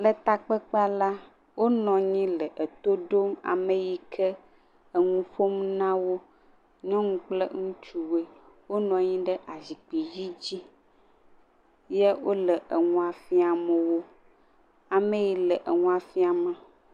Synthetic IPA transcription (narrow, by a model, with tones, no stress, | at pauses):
lə˨t̪a˨k͡pə˦k͡pa˦la˦ | wo˦nɔ̃˨ɲĩ˦lə˨ʔə˨t̪o˦ɖo˦ma̰˨mə˨ji˨kʰə˦ | ə˨ŋũ˦ɸo˦mnã˦wo˦ | ɲɔ̃˦ŋũ˦k͡plə˦ŋũ˦t͡ʃu˨we˦ | wo˦nɔ̃˨ɲĩ˦ɖə˦ʔa˨zi˨k͡pi˨ji˦d͡ʑi˦ | je˦wo˦lə˨ʔə˨ŋũ˦a˨fi˦a˨mə˨wo˦ | a˨mẽ˦ji˨lə˨ʔə˨ŋũ˦a˨fi˦a˨ma˨